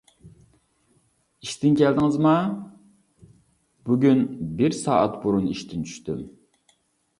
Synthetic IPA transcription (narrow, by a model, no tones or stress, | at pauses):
iʃt̪ɪnkʲʰɛld̪ɪŋɪzmɑ | b̥uɡʲynbɪɾsɑ̰ːʔɑt̪buɾuniʃt̪ʰɪnt͡ʃʰy̥ʃt̪ym